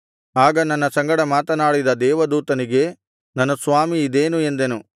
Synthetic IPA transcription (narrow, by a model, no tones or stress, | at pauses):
aːɡɐnɐnːɐsɐŋɡɐɽɐmaːt̪ɐnaːɽid̪ɐd̪ɛːʋɐd̪uːt̪ɐniɡe̞ | nɐnusʋaːmiːd̪eːnue̞nd̪e̞nu